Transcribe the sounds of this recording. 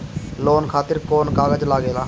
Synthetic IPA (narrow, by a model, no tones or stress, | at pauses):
loːnkʰaːt̪ɪɾkoːnkaːɡəd͡ʒlaːɡeːlaː